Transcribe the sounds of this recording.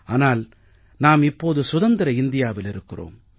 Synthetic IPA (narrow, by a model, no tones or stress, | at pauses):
aːnaːl | naːmɪpːoːðɯsʊðɐnd̪ɪɾɐɪnd̪ɪjaːʋɪlɪɾɯkːɪro̰ːm